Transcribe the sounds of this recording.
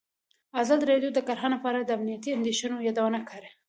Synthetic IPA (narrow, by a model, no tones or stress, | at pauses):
azɑd̪iɾɑɖjod̪əkaɾɦɑnlapɑɾad̪əamnijat̪iand̪eʃanojɑd̪awənakʰɑɾe